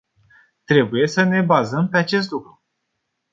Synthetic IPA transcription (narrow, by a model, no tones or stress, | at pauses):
t̪ɾe̞buje̞səne̞bazəmpe̞at͡ʃe̞s̬t̪lukɾu